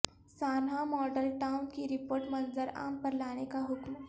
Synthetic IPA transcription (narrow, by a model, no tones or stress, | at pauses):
sanamɔɖəlʈawnkiɾipoːɾʈmənd͡zəɾa̰mpəɾlaɽ̃ekaɦukm